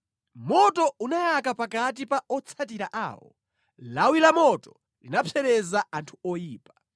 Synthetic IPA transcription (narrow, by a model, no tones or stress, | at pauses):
mɔtɔunajakapakat̬ipaɔt͡sʰat̬iɾaʔa̰ːwɔ̰ | lawilamɔtɔ | linapʰɛɾɛzaantʰuɔjiːpḁ